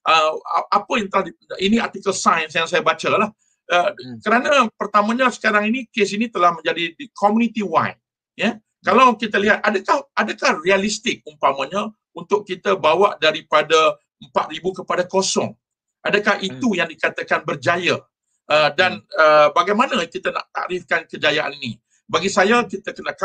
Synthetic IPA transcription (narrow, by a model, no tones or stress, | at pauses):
ʔəʔapəjaŋt̪əlahdiiniart̪ikəlsajənsjaŋsajabat͡ʃalah | əkəɾanapərt̪amãɲasə̥kaɾaŋinikes̬init̪əlahmə̃ɲd͡ʒadikʰomunit̪iwajt̚ | jə | kalawkit̪aliɦat̪̚adakahʔadakahrialist̪ɪk̚umpamaɲã | unt̪ʊʔkit̪abawaʔdaɾipada | əmpat̪̚ɾibukəpadakosɔ̰ŋ | ʔadakahit̪ujaŋdikat̪akanbərd͡ʒaja | ʔədanəbaɡajmanakit̪ana̰ʔt̪a̰ʔɾɪfkankəd͡ʒajaʔa̰nini | baɡisajakit̪akənaʔk